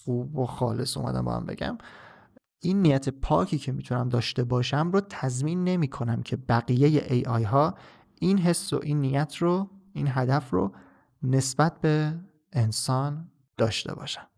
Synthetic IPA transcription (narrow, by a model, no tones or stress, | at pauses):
xuːboxɒːle̞sṵmæ̰d̪æ̰mbɒ̰æ̰mbe̞̰ɟæ̰m | ʔinːiːjæt̪ʰe̞pʰɒːcʰiːcʰe̞miːt̪ʰunæmd̪ɒːʃt̪e̞bɒːʃæmrot̪ʰæzmiːnːe̞miːkʰo̞næmcʰe̞bæɣijejḛʔejʔɒːjɦɒː | ʔinɦe̞sːo̰ʔinːijæt̪ʰroinɦæd̪æfro̰ | ne̞sbæt̪̚ʰbe̞ː | nsɒːn | d̪̥ɒːʃt̪e̞̰bɒ̰ːʃæ̥m